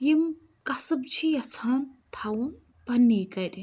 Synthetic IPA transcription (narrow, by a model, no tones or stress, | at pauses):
jim | kɐsɨbt͡ʃʰijɐt͡sʰaːnt̪ʰawun | b̥ɐnːikɐjd̪i